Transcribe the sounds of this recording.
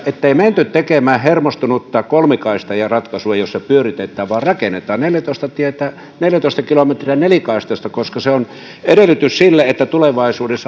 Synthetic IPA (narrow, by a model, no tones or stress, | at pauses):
et̪ːeiment̪yt̪t̪ekemæːhermost̪unut̪ːɑːkolmikɑist̪ɑjɑrɑt̪kɑsuejossepyørit̪et̪ːˑæːʋʋɑːrrɑkenet̪ˑɑːnneljæt̪oˑist̪ɑt̪iet̪æ | neljæt̪oˑist̪ɑkilomet̪riænelikɑˑist̪ɑst̪ɑkoskɑseon | edelːyt̪yssilːeet̪ːæt̪uleʋɑisuːdesː